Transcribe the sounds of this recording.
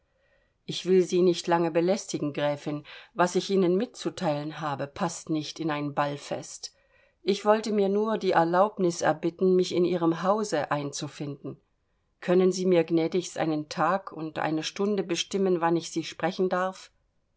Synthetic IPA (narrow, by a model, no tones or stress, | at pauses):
ʔɪçv̥ɪlziːnɪçtlaŋəbəlɛstɪɡŋ̩ɡʁɛːfɪnvasɪçʔiːnənmɪt̚t͡sutʰaɪlənɦaːbəpʰastnɪçtɪnaɪnbalfɛ̰st | ʔɪçv̥ɔltəmiːɐnuːɐdiːʔɛɐlaʊpnɪsɛ̰ɐbɪtn̩mɪçɪnʔiːʁ̞əmɦaʊzəʔaɪnt͡sufɪndn̩ | kʰœnənziːmiːɐɡnɛːdɪçstʔa̰ɪnəntʰaːkʰʊ̰ntʔa̰ɪnəʃtʊndəbəʃtɪmənvanɪçz̥iːʃpʁ̥ɛçn̩daɐf